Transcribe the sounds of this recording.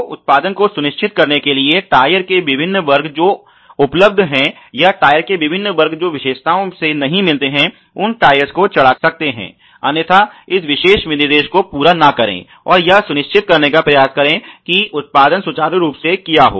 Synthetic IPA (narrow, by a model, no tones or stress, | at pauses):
ʊ̰t̪̚paːd̪ənkosʊnɪʃt͡ʃʰɪt̪̚kɐɾnekelieʈaːjəɾkeʋɪbʱɪnːʋɐɾɡd͡ʒoː | ʊpləb̚d̪ʱɦɛ̃ | jaʈaːjəɾkeʋɪbʱɪnːʋɐɾɡʱd͡ʒoːʋɪʃeːʃt̪aːõsenɐɦĩmɪlt̪eɦɛ̃ | ʊnʈaːjəɾskot͡ʃɐɽaksɐk̚t̪eɦɛ̰̃ː | ɐnət̪ʰaɪsʋɪʃeːʃmɪnɪɾd̪eːʃkopuːɾanɐkɐɾḛ̃ː | ɔːɾjɐsʊnɪʃt͡ʃʰɪt̪̚kɐɾnekapɾɐjaːskɐɾẽkiʊt̪̚paːd̪ənsʊt͡ʃaːɾɾuːpsekijaɦo̰ː